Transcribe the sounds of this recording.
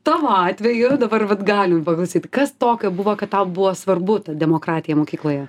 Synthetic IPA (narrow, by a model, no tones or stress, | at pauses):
t̪ɑːʋoɑːt̪ʲʋʲɛjʊd̪ɐbɐrʋɐt̪ɡɑːlʲɪmpɐklˠɐʊsʲiːt̪kɐst̪oːkʲoːbʊʋoːkɐt̪tɐʊbʊʋoːsʋɐrbʊt̪ɐd̪ʲɛmoːkɾɑːt̪ʲɪjɛmoːkʲiːklˠoːjɛ